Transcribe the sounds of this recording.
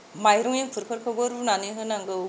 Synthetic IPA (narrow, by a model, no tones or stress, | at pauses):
majɾɔŋeŋpʰɯɾpʰɯɾkʰɯbɯɾunaneɦɯnaŋɡɯ